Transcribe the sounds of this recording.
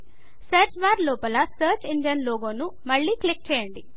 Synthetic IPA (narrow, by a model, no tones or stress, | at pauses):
sɐɾt͡ʃʋaːɾlɔːpɐlɐsɐːɾt͡ʃinɖijɐnloːɡoːnumɐɭːiːkɭik̚t͡ʃɛːjɐɳɖi